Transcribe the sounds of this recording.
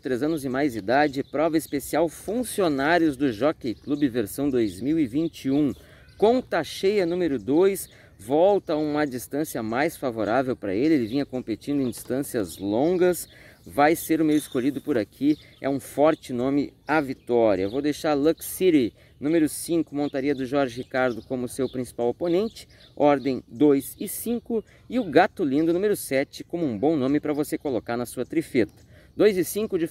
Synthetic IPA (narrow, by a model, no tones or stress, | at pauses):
t̪ɾezɐ̃nʊzɪmajzd͡ʒid̪ad͡ʒɪɪpɾɔvɐispesiawfũsionaɾjʊzd̪ʊʒɔkejklubɪveɾsɐ̃w̃d̪ojzmiwɪvĩnt͡ʃiũ | kõt̪aʃejɐnũmeɾʊd̪ojs | vɔwt̪ɐũmɐd͡ʒist̪ɐ̃siɐmajsfavoɾavewpɾɐ̰elɪelɪvĩɲɐkõmpet͡ʃĩnd̪ʊẽd͡ʒi̥st̪ɐ̃siɐzlõŋɡɐsvajseɾʊmejɪskoʎid̪ʊpʊɾakʰi | ɛ̰ũfɔɾt͡ʃɪnõmɪavit̪ɔɾiɐ̰vowd̪ejʃaɾlɐksiɾi | nũmeɾʊsĩŋkʊmõnt̪aɾiɐd̪ʊʒɔɾʒɪɦikaɾd̪ʊkõmʊsewpɾĩsi̥pawoponẽnt͡ʃɪ̥ | ɔɾd̪ẽj̃d̪ojzɪsĩŋkʊ | ɪʊɡat̪ʊlĩnd̪ʊnumeɾʊsɛt͡ʃɪ̥kõmʊũbõw̃nõmɪpɾɐvosekolokaɾnɐsuɐt̪ɾifet̪ɐ̥d̪ojzɪsĩkʊd͡ʒɪ